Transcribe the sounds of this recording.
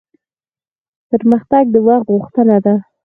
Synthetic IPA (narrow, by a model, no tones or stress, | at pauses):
pəɾməxt̪aɡ̚d̪əwaxt̪ɣuxt̪ənad̪a